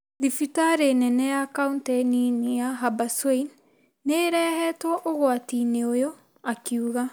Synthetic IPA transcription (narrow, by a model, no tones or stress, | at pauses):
ðifitaɾenɛnɛjakauntɛninijaɦabaswein | neːɾɛːhɛtwɔʔoɣwatineojɔ | akiuɣa